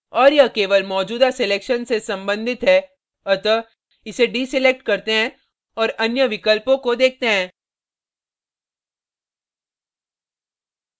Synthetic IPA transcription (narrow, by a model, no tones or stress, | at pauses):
ɔːɾjɐkeːʋəlmɔːd͡ʒuːd̪aseleːkʃənsesɐ̃mbə̃nd̪ʱɪt̪ɦɛ | ɐt̪ə | ɪseɖiːsɪleːk̚ʈkɐɾt̪eɦɛ̃ | ɔːɾɐnjəʋɪkəlpõkod̪eːk̚ʰt̪eɦɛ̃ː